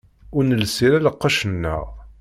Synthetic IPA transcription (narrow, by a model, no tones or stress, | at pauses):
ʊɾnəlsiɾæləqːɑʃənːə̰ʁ